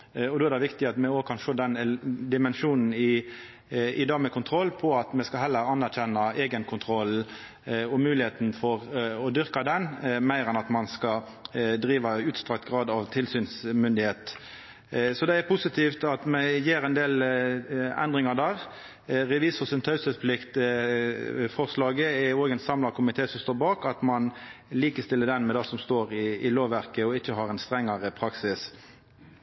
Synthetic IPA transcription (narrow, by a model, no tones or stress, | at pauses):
ɔd̪oːæɾd̪ɛʋɪkt̪ɪɑt̪mɛoːɡ̚kʰɑnʂoːd̪ɛnd̪ɪmɛnʂuːnn̩ɪ | ɪd̪ɑːmɛkʰʊnt̪ʰɾɔlːpʰɔɑt̪mɛskɑɦɛlːəɾɑnːæɾçɛnːɑeːɡənkʰʊnt̪ʰɾɔl | ɔmʉːlɪheːt̪n̩fɔʁɔd̪ʏɾkɑd̪ɛnmæɪɾɛnɑt̪mɑnskɑ | d̪ɾiːʋɑʉːt̪st̪ʁɑk̚t̪ɡʁɑːd̪ɑʋt̪ʰɪlsyːnsmʏnd̪ɪheːt̪ | sɔd̪ɛæɾpʰʊsɪt̪ʰiːft̪ɑt̪mɛjeːɾɛnd̪eːl | ɛ̰nd̪ʁɪŋɑd̪æːʁ | ʁɛʋiːsfɔsɪnt̪ʰɑʉsəspʰlɪkt̪ | fɔʁslɑːɡəæoːɡɛnsɑmlɑʁkʰʊmɪt̪ʰeːsɔmst̪oːbɑːkɑt̪mɑnliːkəst̪ɪlːəd̪ɛnmɛd̪ɑːsɔmst̪oːʁɪɪloːʋʋæʁkəɔɪçːəɦɑːʁɛnst̪ʁɛŋːɑʁəpʰɾɑksɪs